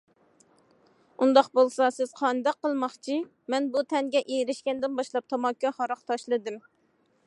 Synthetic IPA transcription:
und̪ɑqbolˠsɑsɪz̥qʰɑnd̪ɑqːəlˠmɑχt͡ʃʰi | mɛnbut̪ʰɛŋɡʲɛʔejiɾɪʃkʲɛnd̪ɪnbɑʃlˠɑp̚t̪ʰɑmɑkʰʲːɑhɑɾɑχt̪ʰɑʃlˠɨd̪ɨm

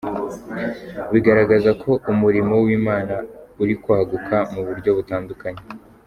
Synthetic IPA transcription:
wiɡaɾaɡazakʰo̞ʔumuɾimo̞wiːmaːnauɾikwahaɡukʰamuβuɾɟo̞βutaːndukaɲe̞

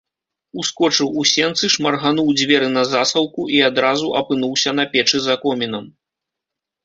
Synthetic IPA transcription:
uskɔt͡ʂɨwusʲɛnt̪sɨʂmɐrɣanuwd͡zʲvʲɛɾɨnɐzasɐwˠkuʔiad̪ɾazuʔɐpɨn̪uwsʲɐn̪ɐpʲɛt͡ʂɨzakɔmʲinɐm

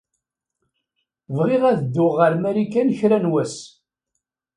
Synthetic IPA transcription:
vʁɪʁæðəd̪ːʊʁəɾmæɾikːænçɾænwæs

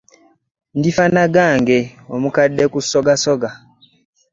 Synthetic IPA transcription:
ndifanaɡaːŋɡeomukadːekusoɡasoɡa

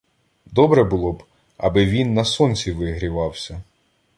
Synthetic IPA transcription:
d̪ɔbɾɛbʊlˠɔb | ɐ̰bɪʋʲinːɐsɔnʲsʲiʋɪɦɾʲiʋɑwsʲɐ

